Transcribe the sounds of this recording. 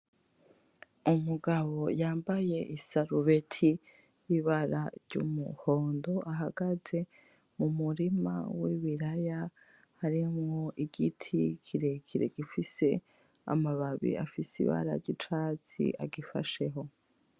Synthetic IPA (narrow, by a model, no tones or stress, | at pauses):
umuɡaβo̞jaːmbaje̞ʔisaɾuβe̞tʰi | jiβaɾaɾɟṵmṵho̞ːndo̞ʔaɦaɡ̥aze̞ | mumuɾima̰wiβiɾaja | haɾimŋo̞ʔiɡitʰikʰiɾe̞kʰiɾḛɡifise̞ | a̰maβaβḭa̰fisḭβa̰ɾa̰ɾɟit͡ʃat͡sḭʔa̰ɡifa̰ʃe̞ɦo̞